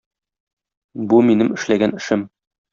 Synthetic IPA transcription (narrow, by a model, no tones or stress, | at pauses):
buminɘmɘ̆ʃlæɡænɘ̆ʃɘm